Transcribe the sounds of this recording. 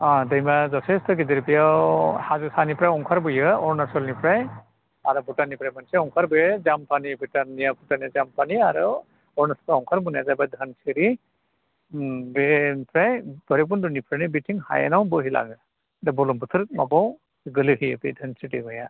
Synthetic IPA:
adɯjmazɔtʰestɔɡidiɾipijahazusanipɾajɔŋkʰaɾbɯjɯɔɾnasɔlnipʰɾaj | aɾɯbutanipɾajmansʰɛɔŋkʰaɾbɯjɯzampʰanibutanːijabutaniazampʰaniaɾɯ | ɔɾnasʰɔ̥paɔŋkʰaɾbunjazabajdʱənsʰiɾi | benipʰɾajbɔɾeb̬undunipʰɾanibitʰiŋha̰ja̰nawbɯɦilʔa̰ɡɯ | dabɔlumbɯt̪ʰɯɾ̚ma̰bɔw | ɡɯlɯhijɯbḭdʱɯnsitiɡɔja

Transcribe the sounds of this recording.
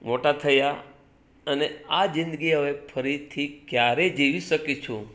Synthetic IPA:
moʈat̪ʰəja | ənead͡ʒɪ̃nd̪ɡiɦəʋepʰəɾit̪ʰikjaɾed͡ʒiʋiʃəkit͡ʃʰũ

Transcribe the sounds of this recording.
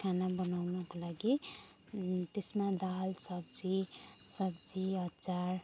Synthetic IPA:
kʰanabʌnawnʌkolaɡi | t̪esmãd̪alsʌbd͡zisʌbd͡ziʌt͡saɾ

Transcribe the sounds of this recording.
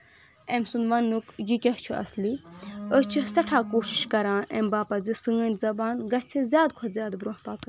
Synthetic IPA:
emsunʋɐnːukjikʲɐɦt͡ʃʰuɐ̰sliəst͡ʃʰusɐʈʰaːkoːʃi̥ʃkɐɾãːnʔḛmbaːpazisɨŋɐnʲt̪zɐbaːnɡɐt͡sʰizjaːd̪̚kʰɐzʲjaːd̪bɾõːɦpaːk

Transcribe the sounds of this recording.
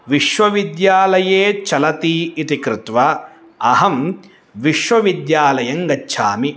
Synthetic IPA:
ʋiʃʋɐʋid̪jaːlɐjeːt͡ʃɐlɐt̪iit̪ikɾɪt̪ʋɐ | ɐɦɐm | ʋiʃʋɐʋid̪jaːlɐjɐŋɡɐtːʃʰaːmi

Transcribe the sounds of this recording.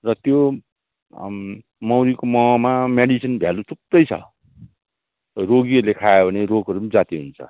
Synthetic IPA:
rʌt̪jo | mʌwɾikomʌmameɽisʌnbʱjalutup̚ːʌjt͡sʰʌ̰ | roɡiʌɾulekʰajebʱʌneɾoɡʌɾumd͡zat̪iɦunt͡sʰʌ̰

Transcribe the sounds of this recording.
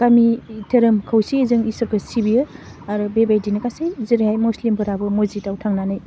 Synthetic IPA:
kamitʰeɾɯmkʰawsizɯŋisɐɾkʰɯssibijɯ | aɾɯbebajdinɐkasejziɾahajmuslimbʰɯɾabɯmozitawtʰaŋnanɯj

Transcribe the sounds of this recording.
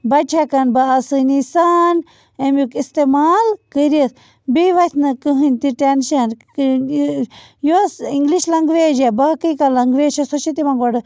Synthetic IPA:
bɐʈʰekɐnbaːsɨnisan | emjukist̪emaːlkəɾiəs | biʋɐt̪ʰnɨkɨɦɨnʲt̪iʈenʃɐn | josiŋɡliʃlɐŋɡʋeːd͡ʒebaːkɨjkalɐŋɡʋeːʃɐsoʃit̪imɐŋɡʋɐɖɨ

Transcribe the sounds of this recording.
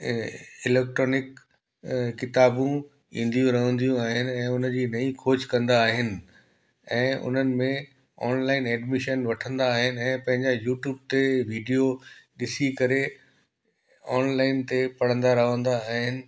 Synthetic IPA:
ɪlɛːk̚ʈɾoːnɪk | kːɪt̪aːbũ | ĩːn̆d̪ijũɾɐɦə̃nd̪ijũaːɦɪnɪ̆ɛ̃ːʊnə̆d͡ʑiːnɐĩkʰoːd͡ʑkɐ̃nd̪aːɦɪnɪ̆ | ɛ̃ːʊ̰n̤ənɪ̆mẽ | ɔːnlaːɪnɛːɖmɪʃənʋɐʈʰə̃nd̪aːɦɪnɪ̆ɛ̃ːpɐ̃ɦɪ̃ɲd͡ʑajuːʈjuːb̚t̪eʋiːɖijoɗɪsikɐɾe | ɔːnlaːɪnt̪epɐɽ̤ə̃nd̪aɾɐɦə̃nd̪aːɦɪnɪ̆

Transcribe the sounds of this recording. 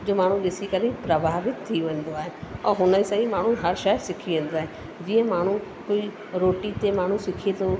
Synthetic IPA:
d͡ʑoːmaːɳ̤ũɓɪsikɐɾipɾɐbʱaːʋɪt̪t̪ʰːiʋẽːn̆d̪oaːɦeɛ̃ːɦʊnəsɐĩmaːɳ̤ũɦɐɾʃasɪkʰiʋẽːnd̪oaːɦe | d͡ʑiːə̃maːɳ̤ũ | kʊi | ɾoːʈit̪emaːɳ̤ũsɪkʰit̪o

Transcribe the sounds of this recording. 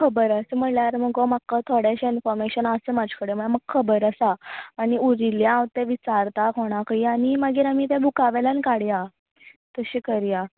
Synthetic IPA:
kʰəbəɾasəməljaɾməɡomakːət̪ʰoɽjaɕainfɔɾmeɕənasəmad͡ʑʱkəɽeməɭaməɡ̚kʰːəbəɾəsaːɽ̃iuɾiljãʋt̪eʋit͡ɕaɾt̪akoɽ̃akəiaɽ̃iməɡiːɾamiːt̪̬ɛbʱukaʋɛlankaɽja | t̪əɕiːkəɾja

